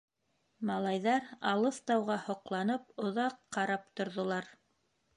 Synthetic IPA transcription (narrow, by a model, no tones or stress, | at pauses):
mɑlˠɑjðɑɾɑlˠɤθt̪ɑwʁɑhŏqlˠɑnɤp̚ŏðɑqːɑɾɑpt̪ŏɾðŏlˠɑɾ